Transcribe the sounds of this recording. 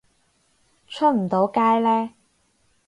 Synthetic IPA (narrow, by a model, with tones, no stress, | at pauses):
t͡ʃʰɵ˥t̚m̩˨˩t̪o˨˥wkaː˥jlɛː˥